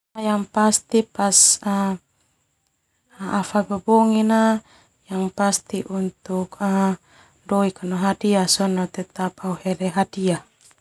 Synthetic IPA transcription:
ajaŋpast̪ipasa | afabəbɔŋina | jaŋpast̪iʔunt̪uka | dɔikanɔɦadiasɔnɔt̪ɛt̪ap̚auhɛlɛɦadia

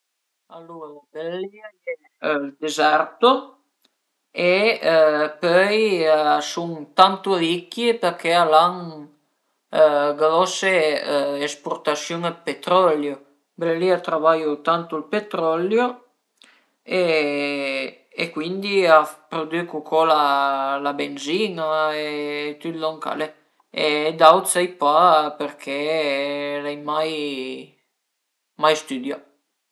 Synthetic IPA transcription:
alːoɾbelliaɛ | ld̪ezɛɾt̪o | e | pœjsuŋt̪ant̪oɾikːjepeɾkealaŋ | ɡɾɔseespoɾt̪asjuŋapet̪ɾɔljo | bleeliat̪ɾavajot̪ant̪olpet̪ɾɔljo | e | ekwind̪iapɾod̪ikukʰɔlalabenzinaet̪yt̪lɔŋka̰le | ed̪awt̪sajpapeɾkʰe | lɛjmaj | majst̪yd̪ja

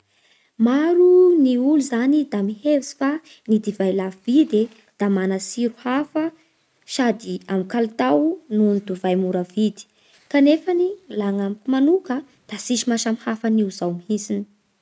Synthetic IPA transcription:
maɾuniuluzanid̪amihevisi̥fa | nid̪ivajlavivid̪e | d̪̥amanəsiɾuhafə | ʃad̪iamikalt̪awnund̪uvajmuɾəvid̪i̥ | kanefanilaŋamkumanukə | d̪̥asiʃimaʃamhafəniuzawmihisini̥

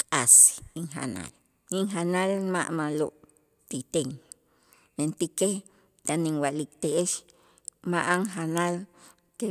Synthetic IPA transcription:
kʼasiŋxa̰na̰l | iŋxanalma̰ʔmaloʔ | t̪it̪eŋ | nent̪ike | t̪aniŋwalikt̪eʔeʃ | maʔaŋxanal | ke

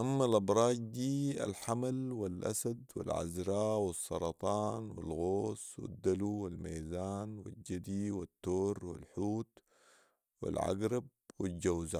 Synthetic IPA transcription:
ʔamːalʔɑbɾˤɑːd͡ʒd̪iːa̰lħamalwɪlʔa̰sad̪wɪ̰lʕa̰zɾɑːwɨsˤːɑɾˤɑt̪ˤɑːnwɪ̰lɣoːswɪ̰d̪ːaluwɪlmiːzaːnwɪ̰d͡ʒad̪iwɪt̪ːoːɾwɪ̰lħuːt̪ | wɪ̰lʕa̰ɡɾɪb̚wɪd͡ʒawza

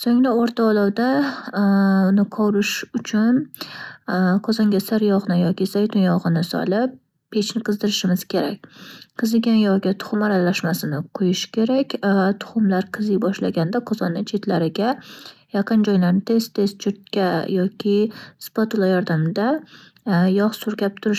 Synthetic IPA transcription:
soŋnaoɾt̪ʰaːlˠɒwd̪a | ʊnɪqʰɒwɾɪʃʊt͡ʃʰʊn | qʰɒzɒŋɡʲasɪɾjɒʁnɪjɒkʲɪsajt̪ʰʊnjɒʁɨnɪsɒ̰lɪp̚ː | e̞t͡ʃʰnɪqʰɨzd̪ɪɾɪʃɪmɪz̥kʲʰe̞ɾak̚ʲqʰɨzɪɡʲanjɒʁɡʲat̪ʰʊ̥χʊmaɾalaʃmasɪnɪqʰojɪʃkʲʰe̞ɾakʲt̪ʰʊ̥χʊmlaɾqʰɨzɪjbɒʃlaɡʲand̪aqʰɒzɒnːɪt͡ʃʰe̞t̪laɾɪɡʲajɑqɨnd͡ʒɒjlaɾnɪt̪ʰe̞st̪ʰe̞st̪̚t͡ʃʰʊɾt̪̚kʲajɒkʲɪspot̪ʊlˠajɒɾd̪amd̪a | jɒχsʊɾkʲap̚t̪ʰʊɾɪʃ

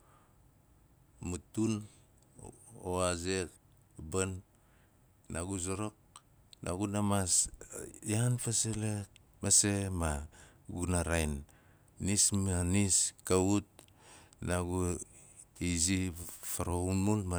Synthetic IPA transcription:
mutun | oazek | ban | aɡuzoɾok̚ | nʔa̰ɡunamas | janpasele | mesema | ɡunaɾajnː | ismaniskaut̚ | naɡu | izifaɾounulma

